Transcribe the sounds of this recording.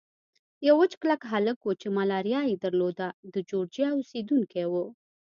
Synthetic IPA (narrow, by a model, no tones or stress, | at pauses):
jawət͡ʃklakɦaləkwət͡ʃemalɑɾjɑjed̪əɾlod̪ad̪əd͡ʒoɽd͡ʒjɑused̪uŋkewə